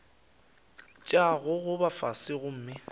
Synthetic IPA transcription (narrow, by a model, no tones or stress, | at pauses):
t͡ʃʼaɣʊɣʊbafasɪɣʊm̩ːmɪ